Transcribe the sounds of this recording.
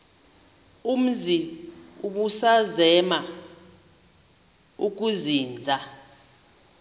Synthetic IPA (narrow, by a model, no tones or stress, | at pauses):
um̩ziuk̬usazɛma | uk̬uziːnd͡zʱa